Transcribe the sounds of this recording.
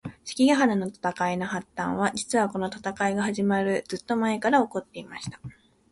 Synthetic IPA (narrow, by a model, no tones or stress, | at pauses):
ɕi̥kʲiɡaɦanano̞t̪ḁt̪akaino̞ɦat̪ːã̰ɰ̃β̞ad͡ʑit͡sɨβako̞no̞t̪ḁt̪akaiɡaɦaʑimaɾɯ̟d͡z̥ɨt̪ːo̞mae̞kaɾao̞ko̞t̪ːe̞imaɕi̥t̪ḁ